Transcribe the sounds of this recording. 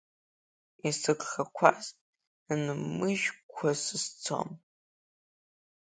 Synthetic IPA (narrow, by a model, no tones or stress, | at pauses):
isɨɡχakʷʰaz | nmɨʒᶣkʷʰasɨst͡sʰo̰m